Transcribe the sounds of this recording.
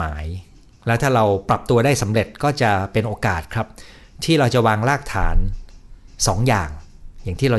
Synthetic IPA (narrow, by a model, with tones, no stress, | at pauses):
aː˩˦j | lɛ˦˥wt̪ʰaː˥˩ɾa˧wpɾa˨˩p̚t̪u˧ɐdaː˥˩jsa˩˦mɾe˨˩t̪̚kɔː˥˩t͡ɕa˨˩pe˧nʔoː˧kaː˨˩t̪̚kʰɾa˦˥p̚ | t̪ʰiː˥˩ɾa˧wt͡ɕa˨˩waː˧ŋlaː˥˩k̚t̪ʰa̰ː˩˦n | sɔː˩˦ŋja̰ː˨˩ŋja˨˩ŋt̪ʰiː˥˩ɾa˧